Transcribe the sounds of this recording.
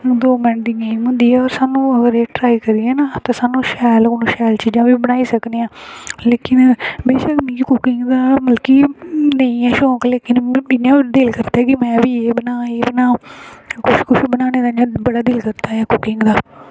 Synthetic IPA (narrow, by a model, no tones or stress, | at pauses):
d̪oːmɛ̃ɳʈd̪ɪŋãːĩmʊ̃nd̪iːɛːɔːɾsaːnũːəɡəɾeːʈɾaːiːkəɾiːɛːnat̪ãːsaːnũːʃɛːlkonũːʃɛːlt͡ʃiːd͡ʒãːʋiːbənaːiːsəkneːãːleːkɪnbeːʃəkmĩːkʊkɪŋɡd̪aːməlkiːnəĩːɛːʃɔːkleːkɪnɪnjãːd̪ɪlkəɾt̪aːɛkɪmɛ̃ːʋiːeːbənaːeːbənaːkʊʃkʊʃibənaːneːd̪aːnd͡ʒãːbəɽaːd̪ɪːlkəɾt̪aːɦɛːkʊkɪŋɡd̪aː